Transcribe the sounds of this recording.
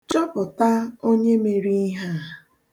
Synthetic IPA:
t͡ʃɔ˦pʊ˨ta˦o˦ɲe˦me˨ɾi˦ɦa˦˨

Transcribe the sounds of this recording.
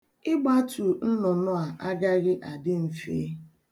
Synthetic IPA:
ɪ˦ɡ͡ba˦tu˨n̩˦nʊ˨nʊ˦a˨ʔa˦ɡa˦ɣɪ˦ʔa˨dɪ˦m̩˨fḛ˦

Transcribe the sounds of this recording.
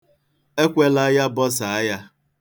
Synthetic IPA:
e˦kʷe˦la˦ja˦bɔ˦sa˨a˦ja˦

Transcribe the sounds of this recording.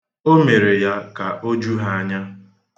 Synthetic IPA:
o˦me˨ɾe˨ja˦ka˨ʔo˦d͡ʒu˦ɦa˦ɲa˦

